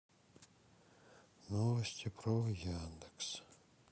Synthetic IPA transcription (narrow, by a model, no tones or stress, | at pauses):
novɐsʲtʲiprovjand̪eks